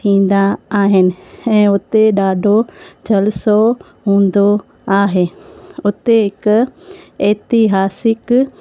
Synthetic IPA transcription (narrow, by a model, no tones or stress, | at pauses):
t̪ʰĩːn̆d̪aːɦɪnɪ̆ɛ̃ːʊt̪eɗaːɖʱod͡ʑɐlɪso | ɦũːn̆d̪o | aːɦeːʊt̪eɦɪk | eːt̪ɪɦaːsɪk